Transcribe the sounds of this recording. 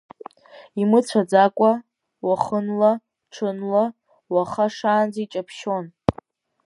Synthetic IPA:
imɨt͡sʷʰad͡zakʷʼa | waχənla | ʈ͡ʂʰɨnla | waχaʂaːnd͡zit͡ʃʼapʰʃon

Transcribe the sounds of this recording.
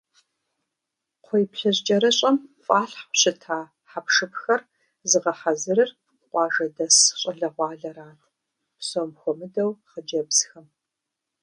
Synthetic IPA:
qʷʰɔjpɬɐʑd͡ʒʼɐɾɐɕʼɐmfʼaːɬħʷɕɨtʰaː | ħapʂɨpxɐr | zɨʁɐħazɨrɨr | qʷɑːʒɐdɐsɕʼɐɮɐʁʷɑːɮɐɾaːtʰ | somxʷɔmɨdɐwχəd͡ʒɐbsxɐm

